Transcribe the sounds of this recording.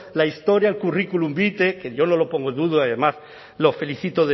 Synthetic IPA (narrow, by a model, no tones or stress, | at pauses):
laist̪o̞ɾjaelkurikulumbit̪e̞keʝo̞nolo̞po̞ŋɡod̪uðoaðemas | lo̞fe̞liθit̪oðe